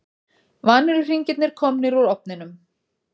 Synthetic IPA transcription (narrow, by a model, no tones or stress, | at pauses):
vanːʏɾʏr̥iɲcɪt̪nɪɾ̥kʰɔmnɪɾuɾɔp̚nɪnʏm